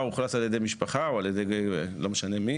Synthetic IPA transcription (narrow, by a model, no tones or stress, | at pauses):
uχlataljed̪ejmiʃpaχaoaljed̪ejɡejelomeʃane̞mi